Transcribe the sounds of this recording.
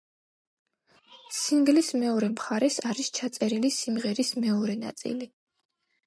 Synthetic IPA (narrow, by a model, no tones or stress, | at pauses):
siŋɡlismɛɔɾɛmχaɾɛsaɾist͡ʃʰat̪sʼɛɾilisimʁɛɾismɛɔɾɛna̰t̪sʼḭli